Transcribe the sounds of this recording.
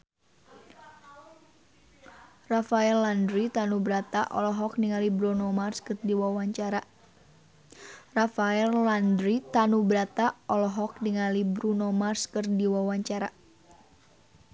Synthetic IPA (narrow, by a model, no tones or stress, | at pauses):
rafaɛlːandɾit̪anubɾat̪aʔɔ̰lɔɦɔk̚niŋalibɾunɔmarskɨrdiwawaɲt͡ʃaɾa | rafaɛlːandɾit̪anubɾat̪aɔlɔɦɔk̚niŋalibɾunɔmarskɨrdiwawaɲt͡ʃaɾa